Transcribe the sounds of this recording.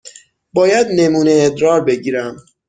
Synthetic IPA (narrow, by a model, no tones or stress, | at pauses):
bɒːjæd̪ne̞muːne̞ːd̪ɾɒːɾbe̞ɟiːɾæm